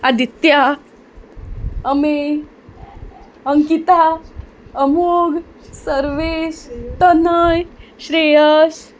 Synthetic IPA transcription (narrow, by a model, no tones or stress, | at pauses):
ad̪it̪ja | əme | əŋkit̪a | əmoɡʱ | səɾʋeɕt̪ənəjɕɾejəɕ